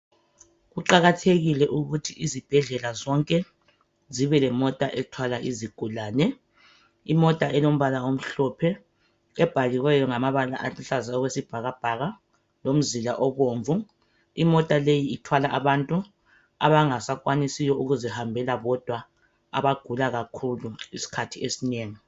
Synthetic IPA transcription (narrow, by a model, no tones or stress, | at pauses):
ɣuǃaɣatʰeɣilɛʔuɣutʰiʔizib̥ʱɛɮɛlazɔŋkʼɛ | ziβɛlɛmɔtʼaʔɛtʰwalaʔiziɡ̥ʱulaːnɛ | imɔtʼaʔɛlom̩βalaom̩ɬɔpʰɛ | ɛb̥ʱaɣiɣwɛjɔŋamaβala̰ʔaɬazaɔɣwesib̥ʱaɣab̥ʱaɣa | lom̩zilaʔɔβoːɱvu | imɔtʼalejiːtʰwalaʔaβantʼu | a̰βaŋasakʼwanisijɔuɣuzɛhambʱɛlaβɔd̥ʱwa | a̰βaɡ̥ʱulaɣakʰuluisi̥kʰatʰiesineːŋi